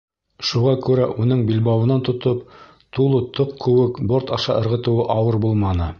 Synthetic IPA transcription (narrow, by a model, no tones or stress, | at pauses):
ʃuʁɑkʉɾæʔunɤɴbilbɑwɤ̆nɑnt̪ŏt̪op̚ | t̪ulˠɤt̪ʰoqkːɵ̆wɘkboɾt̪ɑʃɑ̰ʔɤ̆ɾʁɤ̆t̪ɤ̆wɤʔɑwɤɾbulˠmɑnɤ